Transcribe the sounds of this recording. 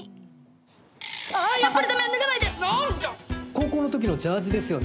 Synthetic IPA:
apːaɾed̪amẽnːɯɡanaid̪enaɾɯako̞ːko̞ːno̞t̪o̞k̬ʲino̞d͡ʑaːʑid̪e̞sɨjo̞ne

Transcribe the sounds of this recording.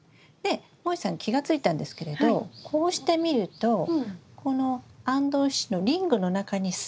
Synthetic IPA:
ne̞ | moisãŋkʲiɡat͡sɨit̪ãnd̪e̞sɨ̥ke̞ɾe̞d̪o̞kʰo̞ːɕi̥t̪e̞mʲiɾɯ̟t̪o̞kʰo̞no̞ãnd̪o̞ːɕino̞ɾʲĩŋɡɯ̟no̞nakaɲ̟is

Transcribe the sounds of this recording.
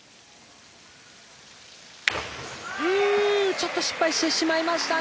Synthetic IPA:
ɯt͡ɕo̞t̪ːo̞ɕi̥pːaiɕi̥t̪e̞ɕimaimaɕi̥t̪a

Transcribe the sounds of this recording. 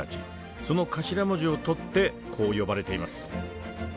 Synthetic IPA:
at͡ɕḭ | so̞no̞kaɕiɾamoʑio̞t̪o̞t̪ːe̞ | kʰo̞ːjo̞baɾe̞t̪e̞imasɨ̥

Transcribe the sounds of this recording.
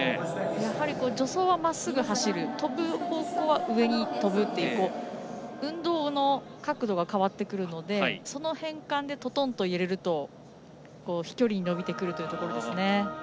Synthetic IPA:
jahaɾʲiko̞ːd͡ʑo̞so̞ːβamasːɨɡɯ̟haɕiɾɯ̟t̪o̞bɯ̟ho̞ːkoːβaʔɯ̟e̞ɲ̟it̪o̞bɯ̟t̪ːe̞jiɯko̞ː | ɯ̟̃nd̪o̞ːno̞kakɯ̟d̪o̞ɡakaβat̪ːe̞kɯ̟ɾɯ̟no̞d̪e̞so̞no̞hẽ̞ŋkãnd̪e̞t̪o̞t̪õ̞nt̪o̞ieɾeɾɯ̟t̪o̞ | ko̞ːçi̥kʲo̞ɾʲiɲ̟ino̞bʲit̪e̞kɯ̟ɾɯ̟t̪ojɯ̟t̪o̞ko̞ɾo̞d̪esɨne̞

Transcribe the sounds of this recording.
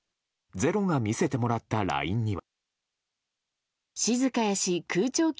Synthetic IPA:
d͡ze̞ɾo̞ŋamʲise̞t̪e̞mo̞ɾat̪ːaɾa̰ḭ̃ɲ̟ːiβ | ɕizɨkajaɕikɯːt͡ɕo̞ːkʲ

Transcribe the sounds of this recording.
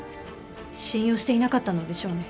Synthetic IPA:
ɕĩɰ̃jo̞ːɕi̥t̪e̞inakat̪ːano̞d̪e̞ɕo̞ːne

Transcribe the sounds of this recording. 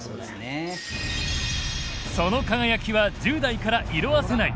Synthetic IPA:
n | so̞no̞kaɡajakʲiβad͡ʑɨːd̪aikaɾaʔiɾo̞βase̞naḭ

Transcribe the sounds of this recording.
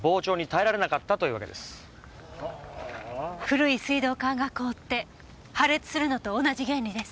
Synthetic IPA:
bo̞ːt͡ɕo̞ːɲ̟it̪aeɾaɾe̞nakat̪ːat̪o̞iɯ̟ːβaked̪e̞̰sɨ̥ | ɸɯ̟ɾɯ̟isɨid̪o̞ːkãŋɡako̞ːt̪ːe̞ | haɾe̞t͡sɨ̥sɨɾɯ̟no̞t̪o̞ːnaʑiɡẽ̞nʲɾʲid̪e̞sɨ̥

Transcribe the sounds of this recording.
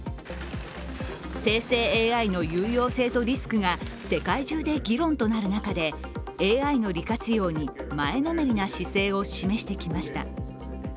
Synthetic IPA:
se̞ːse̞ːeːainojɯːjo̞ːse̞ːt̪o̞ɾʲisɨ̥kɯ̟ɡase̞kaiʑɨːd̪e̞ɡʲiɾõ̞nt̪o̞naɾɯ̟nakad̪e̞ | eːaino̞ɾʲikat͡sɨjo̞ːɲ̟imae̞nomeɾʲinaɕise̞ːo̞ɕime̞ɕi̥t̪e̞kʲimaɕi̥t̪a̰

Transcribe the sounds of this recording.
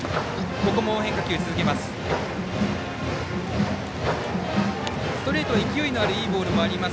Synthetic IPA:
bo̞kɯmoːɦeŋkakʲiɯt͡sɨzɨk̬e̞masɨ̥ | sɨ̥t̪o̞ɾe̞ːt̪oaikʲioino̞aɾɯ̟iːbo̞ːɾɯ̟mo̞aɾʲimas

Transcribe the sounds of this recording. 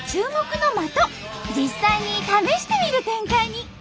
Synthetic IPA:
t͡ɕɨːmo̞kɯ̟no̞mat̪o̞ | d͡ʑisːaiɲ̟it̪ame̞ɕi̥t̪e̞mʲiɾɯ̟t̪ẽ̞ŋkaiɲ̟i

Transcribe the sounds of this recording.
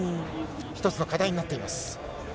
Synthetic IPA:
i | çi̥t̪o̞t͡sɨno̞kad̪aiɲinat̪ːe̞imasɨ̥

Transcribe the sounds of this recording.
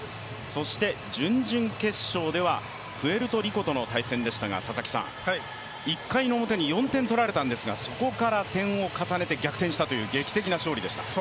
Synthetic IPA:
so̞ɕi̥t̪e̞d͡ʑɨ̃ɲd͡ʑɨ̃ŋke̞ɕːo̞ːd̪e̞βa | ɸɯ̟e̞ɾɯ̟t̪o̞ɾʲiko̞t̪o̞no̞t̪aisẽ̞nd̪e̞ɕi̥t̪aɡa̰sasakʲi̥sã̰ŋ | ikːaino̞ːmot̪e̞ɲ̟ijõ̞nt̪ẽ̞nt̪o̞ɾaɾe̞t̪ãnd̪e̞sɨɡa̰so̞ko̞kaɾat̪ẽ̞ɰ̃o̞kasane̞t̪e̞ɡʲakɯ̥t̪ẽ̞ɲ̃ɕi̥t̪at̪o̞jɯ̟ːɡe̞ːkʲi̥t̪e̞kʲinaɕo̞ːɾʲid̪e̞ɕi̥t̪ḁ̰

